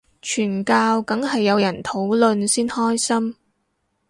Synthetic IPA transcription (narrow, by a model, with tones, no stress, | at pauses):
t͡ʃʰyː˨˩nkaː˧wkɐ˨˥ŋɦɐ˨jːɐ˨˧wjɐ˨˩nt̪ʰo˨˥wlɵ˨nsiː˥nhɔː˥jsɐ˥m